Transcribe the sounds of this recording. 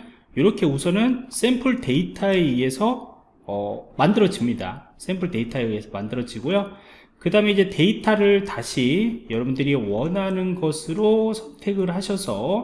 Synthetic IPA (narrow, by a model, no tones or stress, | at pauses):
joɾʌkʰe̞usʰʌnɯns͈empʰɯɭte̞itʰaee̞sʰʌː | mandɯɾʌd͡ʑimɲida̰s͈e̞mpʰɯɭte̞itʰaee̞sʰʌmandɯɾʌd͡ʑiɡojo | kɯdaɯme̞id͡ʑe̞te̞itʰaɾɯɭtaɕʰijʌɾʌbundɯɾiwʌnɦanɯnɡʌsʰɯɾosʰʌntʰe̞ɡɯɭhaɕʰʌsʰʌ